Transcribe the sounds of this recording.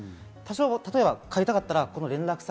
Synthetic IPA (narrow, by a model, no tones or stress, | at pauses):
t̪aɕoːt̪at̪o̞e̞bakʰaɾʲit̪akat̪ːaɾako̞no̞ɾẽ̞nɾakɯ̥sa